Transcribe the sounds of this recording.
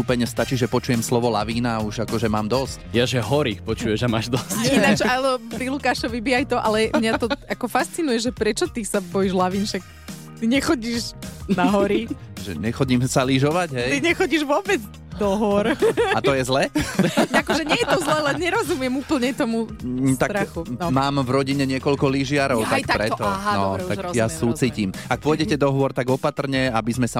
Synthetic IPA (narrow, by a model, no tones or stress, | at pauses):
upɛɲɛst̪at͡ʃiʒɛpɔt͡ʃujɛmslɔʋɔla̰ʋiːnauʒakɔʒɛmaːmd̪ɔscjaʒɛɦɔɾipɔt͡ʃujɛʒamaːʒd̪ɔsinat͡ʃalɛɔpɾilukaːʃɔʋibiajt̪ɔʔalɛmɲat̪ɔakɔfast͡sinujɛʒɛpɾɛt͡ʃɔt̪isabɔjiʒlaʋiːnʃak̚ | t̪iɲɛxɔɟiʒnaɦɔɾiʒɛ̰ɲɛxɔɟimsaliʒɔʋaɟɦɛtj̪iɲɛxɔɟiʒʋɔbɛd͡z | d̪ɔɦɔɾat̪ɔjɛzlɛ | akɔʒɛɲɪɛjɛt̪ɔzlɛːlɛɲɛɾɔzumɪɛmupl̩ɲɛt̪ɔmut̪at̪ɾaxunɔmaːmvɾɔɟiɲɛɲɪɛkɔlkɔliʒɪaɾɔʊt̪ajk̪t̪apɾɛt̪ɔɦaɔ̰t̪aɾjasuːt͡siːcimak̚pɔjɟɛcɛd̪ɔɦʋɔɾt̪aɡɔpat̪r̩ɲɛabizmɛsa